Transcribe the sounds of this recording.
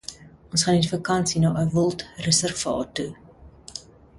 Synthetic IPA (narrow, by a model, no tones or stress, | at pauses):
ʔɔnsχɑːnifəkɐnsinɑːʔəvɔlˠtrəsərvɑ̰ːtu